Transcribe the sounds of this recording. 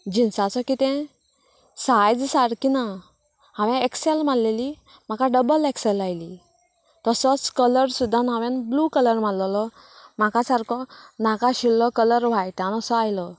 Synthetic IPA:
d͡ʑinsat͡sɔkit̪ɛ̃ | sajd͡zsaɽkina | ɦãʋɛ̃ɛkselmalleli | m̤akaɖəbəlɛksɛlajli | t̪ɔsɔt͡skələɾsud̪ʱːanãʋɛnblukələɾm̤alllɔ | makasaɾkʰɔnakaɕilːɔkələɾʋ̤ajʈ̪anɔsɔajlɔ

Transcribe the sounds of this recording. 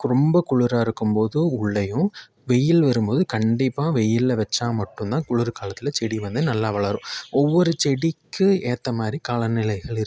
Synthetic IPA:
kɾɔmbɐkʊɻʊɾaːɪɾɯkːɯmpoːðɯʊɭːɐjʊ̃ | ʋɛjɪlʋɐɾɯmpoːðɯkɐɳɖɪpːãːʋɛjɪlʋɛt͡ʃːaːmɐʈːɯ̃nt̪ãːkʊɻʊɾɯkaːlɐt̪ːɪlɐt͡ʃɛɽiʋɐnd̪ɯnɐlːaːʋɐɭɐɾʊ̃ɔʋːɔɾɯt͡ʃɛɽikʰːɯeːt̪ːɐmaːd̪ɾikaːlɐnɪlɐɪɣɐɭɪɾɯ

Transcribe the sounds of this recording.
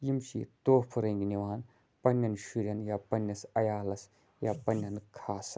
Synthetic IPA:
jimʃḭt̪oːpʰɐɾɐŋɡnʲiʋaːn | pɐnʲːɐnʃiɾʲɐnjaːpɐnːɐsɐjaːlɐs | jaːpɐnːjɐnkʰaːs

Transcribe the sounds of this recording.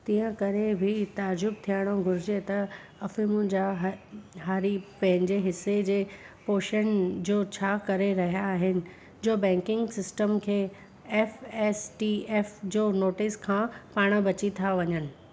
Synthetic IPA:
t̪ĩːə̃kɐɾebʱɪt̪aːɾd͡ʑʊb̚t̪ʰijaɽ̃õɡʱʊɾɪd͡ʑet̪ɐ | ɐfɪmʊnɪ̆d͡ʑaɦɦaːɾipɐ̃ɦɪ̃ɲd͡ʑeɦɪsːed͡ʑeː | poːʃənd͡ʑoːt͡ɕʰaːkɐɾeɾɐɦijaːɦɪnɪ̆ | d͡ʑoːbɛ̃ːŋkɪ̃ŋɡsɪsʈəmkʰeː | ɛːfɛːsʈiːeːfd͡ʑoːnoːʈɪskʰãːpaːɽ̃əbɐt͡ɕit̪ʰaʋɐɲənɪ̆

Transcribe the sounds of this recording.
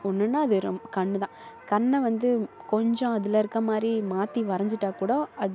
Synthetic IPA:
ɔnːɯnːaːɐðɯɾ̰kɐɳːɯðãː | kɐɳːɐʋɐnd̪ɯ | kɔɲd͡ʒɔ̃ɐðɪlɐɪɾɯkːɐmaːd̪ɾimaːt̪iʋɐɾɐɲd͡ʒɯʈːaːkuːɽɐɐ

